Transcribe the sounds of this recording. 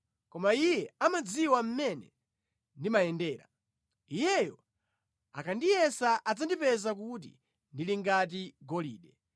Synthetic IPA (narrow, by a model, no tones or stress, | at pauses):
kɔmaijɛamad͡ziwam̩mɛnɛ̰ | ndimajɛndɛːɾa̰ | ijɛjɔ | a̰kʰandijɛsaʔad͡zandipɛzak̬ut̬ḭ | ndiliŋɡat̬iɡɔlḭːɗɛ